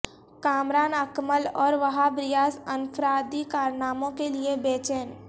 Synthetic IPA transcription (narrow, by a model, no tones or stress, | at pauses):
kaːmɾaːnəkməlɔːɾʋɐɦabɾɪjaːsənpʰɾaːd̪ikaːɾnaːmõkeliebeːt͡ʃeːn